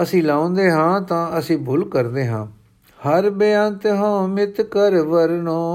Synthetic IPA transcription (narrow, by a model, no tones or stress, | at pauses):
əsĩːlaːõnd̪eːɦãːt̪ãːəsĩːbʊlkəɾd̪eːɦãː | həɾbəjãːnt̪ɦõːmɪt̪kəɾʋəɾnoː